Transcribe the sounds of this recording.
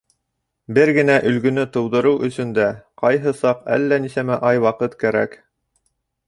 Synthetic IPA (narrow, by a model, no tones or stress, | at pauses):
bɘɾɡɘ̆næʔɵ̆lɡɵ̆nɵt̪ɤ̆wd̪ɤ̆ɾɤwʔɵ̆sɵ̆nd̪æqɑjɦɤsɑqæ̰lːænisæmæʔɑjwɑqɤt̪kæɾæ̰k